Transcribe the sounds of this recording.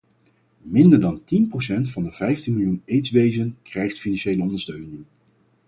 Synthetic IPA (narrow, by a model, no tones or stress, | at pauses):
mɪndəɹdɑntinprowsɛntfɑndəv̥ɛjftinmɪlˠjunejtsʋejzənkrɛjχtfinɑnʃejləɔndəɹstøɥnɪŋ